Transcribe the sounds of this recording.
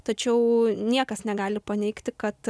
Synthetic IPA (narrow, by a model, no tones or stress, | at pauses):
t̪ɐt͡ʃʲɛʊnʲiɛkɐsnʲɛɡɑːlʲɪpɐnʲɛɪkt̪ʲɪkɐt̪